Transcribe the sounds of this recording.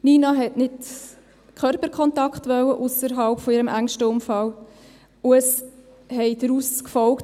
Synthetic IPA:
niːnɑɦɛtnɪt | kʰœɾpəɾkʰɔntɑkχtʋœwəʔʊsəɾɦɑlpfɔɪːɾəmæŋʃtəʊmfɑl | ʊəs | hɛɪdɾuskfɔlkt

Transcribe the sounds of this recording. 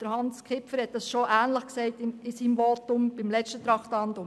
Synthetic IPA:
d̥əɾhɑnskʰɪpfəɾhɛt̚d̥ɑsʃoʔæːnləχksɛɪtɪɪsiːmʋoːtʊmb̥ɪmlɛt͡ʃtət̪ɾɑχtɑndʊ

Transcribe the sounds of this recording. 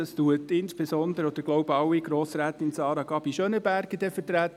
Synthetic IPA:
ɑstuətɪnsb̥esɔnd̪əɾəɔd̥̪əɾɡloʊbɑwːiɡɾoːsɾæːt̪ɪnsɑːɾɑɡɑb̥iʃønəbæɾɡəd̥̪ɛfət̪ɾæt

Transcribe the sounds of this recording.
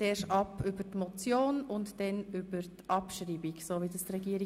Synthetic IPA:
eːʃɑpybətmɔt͡sjoːnʊntd̥ɛnybəɾtʔɑpʃɾiːbiɡsoːʋidəstɾɛɡiːɾi

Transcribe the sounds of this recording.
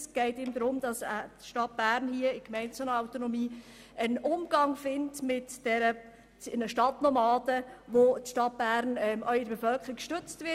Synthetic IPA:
sɡ̥ɛɪtɪmdɾʊmd̥ɑsətʃtɑt̚b̥æːɾnhiəɪkmɛɪnt͡sɑnəaʊtonɔmiː | ənʔʊmɡ̥ɑŋfɪntmɪtd̥ɛɾə | nəʃtɑtnɔmɑːd̥əʋotʃtɑt̚b̥æɾnɛmœʏɪdbefœlkəɾikʃtøt͡stvɪ

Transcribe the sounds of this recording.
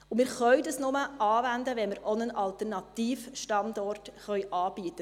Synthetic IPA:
ʊmɪːɾχœʏdəsnʊməʔɑːʋændəʋɛnməɾʔɔnənɑlt̪ərnɑt̪iːfʃtɑndɔrtχœɥʔɑːb̥iət̪ə

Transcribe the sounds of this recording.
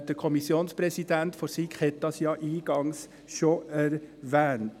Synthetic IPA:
d̪əɾkʰɔmɪsjoːnspɾɛsɪd̪ænt̪fɔɾsikhɛt̪ɑsjɑːʔiːɡɑŋs | ʃoʔæɾʋæːnt̪

